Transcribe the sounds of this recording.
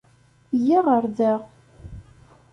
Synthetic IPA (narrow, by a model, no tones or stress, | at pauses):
jiʁəɾðæʁ